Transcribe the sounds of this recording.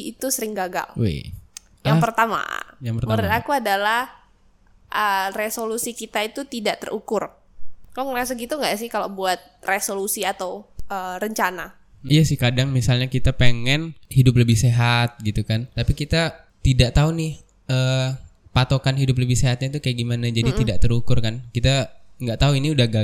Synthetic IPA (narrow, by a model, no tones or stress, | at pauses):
it̪usəɾɪŋɡaɡa̰lwḛ | jaŋpərt̪ama̰jaŋpərtməɾʊt̪akuadalah | ʔəresolusikit̪ait̪ut̪idaʔt̪ə̰rʔukʊr | kaloŋəɾas̬aɡit̪uŋɡaʔsɪhkalobuat̪̚resolusiat̪awʔərəɲt͡ʃana | ijasɪhkadaŋmisalɲakit̪apeŋɛnhidʊpləbɪhseɦat̪̚ɡit̪ukant̪apikit̪a | t̪idaʔt̪aunɪh | əː | pat̪okanɦidʊp̬ləbɪhseɦat̪̚ɲat̪ukajaʔɡimanad͡ʒadit̪idaʔt̪əɾukʊrkankit̪aŋɡaʔt̪auiniudaɡa